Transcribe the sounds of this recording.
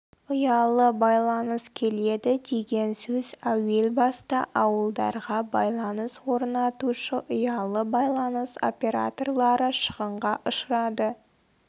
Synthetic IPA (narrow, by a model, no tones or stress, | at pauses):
ʊjɑlˠəbɑjlˠɑnəskʲʰe̞le̞d̪ɪd̪e̞ɡʲe̞nsɵzæwe̞lbɑst̪ɑʔɑwəlˠd̪ɑ̰ɾʁɑbɑjlˠɑnəswo̞ɾnɑt̪uʃəʔʊjɑlˠəbɑjlˠɑnəso̞̰pʲe̞ɾa̰t̪o̞rlˠɑɾəʃəʁəɴʁɑʔʊʃəɾɑd̪ə